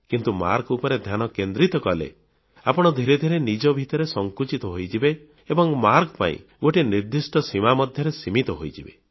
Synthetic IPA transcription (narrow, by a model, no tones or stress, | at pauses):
kint̪uma̰ɾkupɔɾed̪ʱjanɔkend̪ɾit̪ɔkɔlḛ | apɔɽ̃ɔd̪ʱiɾed̪ʱiɾenid͡ʒɔbʱit̪ɔɾesɔŋkut͡ʃit̪ɔɦojd͡ʒibe | ebɔŋmaɾkpa̰ḭ̃ | ɡoʈiniɾd̪isʈɔsimamɔd̪ʱjɔɾesimit̪ɔɦojd͡ʒibe